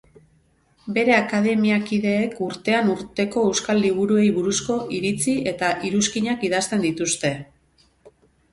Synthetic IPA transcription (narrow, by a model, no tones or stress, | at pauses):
be̞ɾe̞akaðe̞miakiðe̞ːkuɾt̪e̞anuɾt̪e̞ko̞e̞wskalːiβ̞uɾue̞jβuɾusko̞ʔiɾit͡sie̞t̪aʔiɾuskiɲakið̞ast̪e̞nd̪it̪ust̪e̞